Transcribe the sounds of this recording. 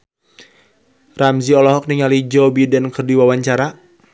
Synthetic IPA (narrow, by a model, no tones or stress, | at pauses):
ramziɔlɔɦɔk̚niŋalid͡ʒɔbidɛnkərdiwawaɲt͡ʃaɾa